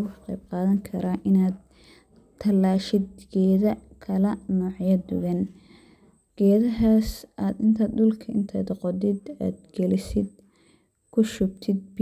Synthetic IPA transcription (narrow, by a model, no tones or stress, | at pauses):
ɣʊħɑ̥qḛjb̚qɑːðɐŋkʰɐɾaʔɪnaːd̪ | t̪ʰːɐlːaːʃɪd̪ɡɛːðɐkʰɐlɐnɔːʕjɐd̪ʊɣɐn | ɡ̥ɛːðɐɦaːsʔaːd̪ɪnt̪ʰaːd̪ʊlkʰɐɪnt̪ʰɐ̰d̪ɔqɔd̪ɪd̪a̰ːd̪ɡ̥ɛlɪsɪd̪ | kʰʊʃʊb̚t̪ʰɪd̪̚b